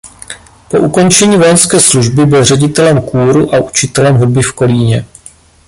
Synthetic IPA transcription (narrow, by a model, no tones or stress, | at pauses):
po̞̰ʔuko̞nt͡ʃɛɲiːvo̞jɛnskɛːsluʒbɪbɪlr̝ɛɟɪt̪ɛlɛmkuːɾuʔaʔut͡ʃɪt̪ɛlɛmɦud̚bɪfko̞liːɲɛ